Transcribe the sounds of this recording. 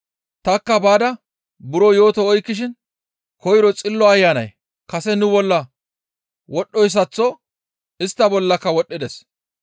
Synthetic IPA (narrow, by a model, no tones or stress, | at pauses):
t̪ɐkːɐbaːd̪ɐ | bʊɾɔjo̞ːt̪ɔɔjkːɪʃ̬ɪn | kɔjɪɾɔt͡sʼɪlːɔɐjːanɐj | kɐsɛnʊbɔlːɐ | wɔɗːɔjs̬ɐt͡sːɔ | ɪst̪ːɐbɔlːɐkːɐwɔɗːɪd̪ɛs